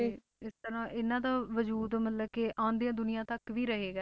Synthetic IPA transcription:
e | ɪst̪əɾãːʔɪnãːd̪aːʋəd͡ʒuːd̪mət̪ləbkɪʔãːnd̪ejãːd̪ʊnɪjãːt̪əkʋiːɾəɦeːɡaː

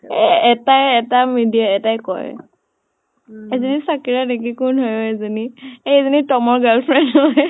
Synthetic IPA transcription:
ɛ̰ɛtajɛtamidiaɛtajkɔ̰j | ezɔnisakiɹanek̬ikunɦɔjoezɔnieezɔnitɔmɔɹɡalfʰɹɛnɦɔj

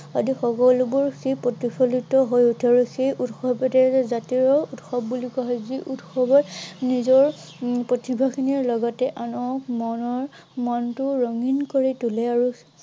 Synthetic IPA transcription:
adixɔkɔlubuɹxepɔtipʰɔlitɔɦojutʰaɹuxejʔutxɔbɔtɛzatiɹɔutxɔbːulikaɦɔjziʔutxɔbɔɹnizɔɹ | pɹɔtibʱakʰiniɹlɔɡɔtɛʔanɔmɔnɔɹ | mɔntʊɹɔŋinkoɹitulɛaɹu

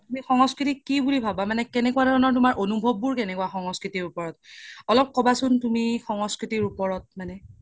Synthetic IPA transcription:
tumixɔŋɔskɹitikːibulibʱabamanɛkɛnɛkuwadʱɔɹɔnɔɹtumaɹʔonubʱɔbːuɹkɛnɛkuwaxɔŋɔskɹitiɹupɔɹɔt̚ɔlɔp̚kɔbasʊntumixɔŋɔskɹitiɹupɔɹɔt̚manɛ

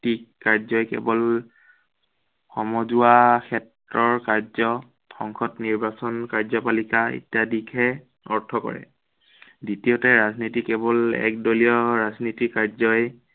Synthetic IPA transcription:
tikkːaɹzɔjkɛ̰bɔl | xʰɔmɔzuakʰɛt | ɹɔɹkaɹzɔ | xɔŋkʰɔtniɹbasɔnkaɹzɔpalikaḭtiadikʰɛ | ɔɹtʰɔkɔ̰ɹɛ̰ | ditiotɛɹaznitikɛbɔlɛ̰kdolijɔɹaznitikːaɹzɔj

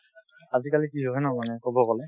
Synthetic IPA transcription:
azikalikiɦɔjnɔmanɛkɔbɔkɔlɛ

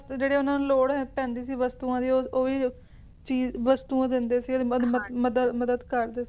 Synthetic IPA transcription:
sd͡ʒeːɽeːʊnãːnloːɽɦɛ̃ːpɛ̃ːnd̪iːsiːʋəst̪uːãːd̪iːoːoːiː | t͡ʃiːzʋəst̪uːãːd̪ɪnd̪eːsiːd̪məməd̪əməd̪əd̪kəɾd̪eːs

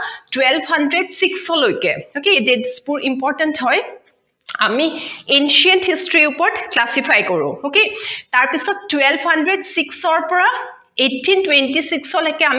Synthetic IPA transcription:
twɛlbʱɦandɹedsiksɔlojkɛ̰hokededspuɹimpɔɹtɛntɦɔj | amienʃiɔnthistɹiupɔɹtklasipʰajkɔɹʊ̰̃hoketaɹpisɔtːwɛlbhandɹedsiksɔɹpɔɹa | etʰːintwentisiksɔlojkɛam

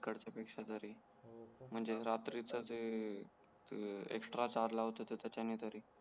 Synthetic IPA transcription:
kəɽt͡ɕjapekʂat̪əɾi | m̤əɳd͡zeɾat̪ɾit͡səd͡ze | ḛksʈɾat͡ɕaɾlaɦot̪ət̪et̪jat͡ɕjanːiːt̪əɾiː

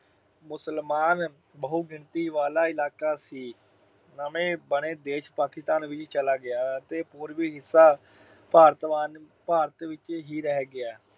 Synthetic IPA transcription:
mʊsəlmaːn | bəɦʊːɡɪɳt̪iːʋaːlaːɪlaːkaːsiː | nəmẽːbəɽẽːd̪eːʃpaːkɪst̪aːnʋɪt͡ʃt͡ʃəlaːɡɪaːət̪eːpʊːɾʋiːɦɪsːaː | paːɾət̪ʋaːn | paːɾət̪ʋɪt͡ʃɦiːɾɛɦɛɡɪaː

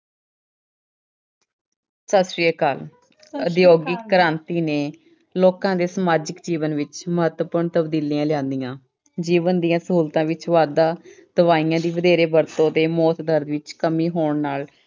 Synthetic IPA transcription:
sasɾiːəkaːl | əd̪ɪjoːɡɪkːəɾãːnt̪iːneː | loːkãːd̪eːsəmaːd͡ʒəkd͡ʒiːʋənʋɪt͡ʃməɦət̪əpʊːɳt̪əbd̪iːliːãːlɪãːnd̪ijãː | d͡ʒiːʋənd̪ijãːsəɦuːlt̪ãːʋɪt͡ʃʋaːd̪aːd̪̥əʋaːijãːd̪iːʋəd̪eːɾeːbəɾt̪õːd̪eːmɔːt̪d̪əɾd̪ʋɪt͡ʃkəmiːɦoːɳnaːl

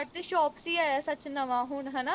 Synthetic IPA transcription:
t̪eʃɔːpsiːaːjasɐt͡ʃnɐʋãːɦuɳɦɐ̃na

